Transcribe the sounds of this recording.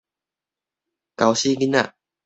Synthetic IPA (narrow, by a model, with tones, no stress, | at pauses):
ka˨wɕi˦ɡi˦na̰˦˨